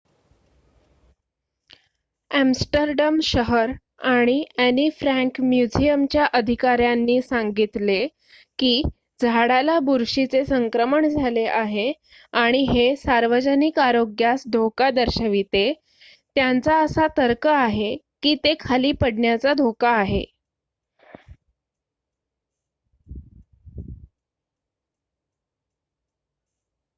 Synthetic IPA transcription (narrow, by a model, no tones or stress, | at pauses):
æmsʈəɾɖəmɕəɦəɾ | aɽ̃iænifɾæ̃ŋkmjud͡ʑijəmt͡ɕjaʔəd̪ʱikaɾjanːiːsaŋɡit̪le | kiː | d͡zʱaɽalabuɾɕit͡sesəŋkɾəməɳd͡zʱaleʔaɦe | aɽ̃iɦesaɾʋəd͡ʑənikaɾoɡjasd̪ʱokad̪əɾɕəʋit̪e | t̪jant͡saəsat̪əɾkəaɦe | kiːt̪ekʰaliːpəɽɳjat͡sad̪ʱokaːɦḛ